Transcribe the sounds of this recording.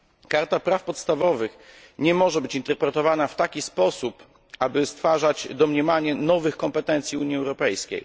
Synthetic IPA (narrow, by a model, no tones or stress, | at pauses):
kaɾt̪apɾafpɔt̪st̪avɔvɘx | ɲɛmɔʐɛbɘt͡ɕint̪ɛɾpɾɛt̪ɔvanaft̪akʲispɔsup | abɘst̪faʐad͡ʑd̪ɔmɲɛmaɲɛnɔvɘxkɔmpɛt̪ɛnt̪sʲjiuɲjiɛwɾɔpɛjskʲḛj